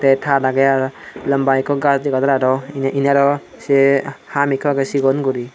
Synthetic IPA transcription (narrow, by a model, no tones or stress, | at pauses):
tetʰadaɡajaɾlɐmbajkʰɔɡasdiɡadaɾaɾɔnʔinaɾɔ | sehamikʰaɡesiɡɔnɡuɾi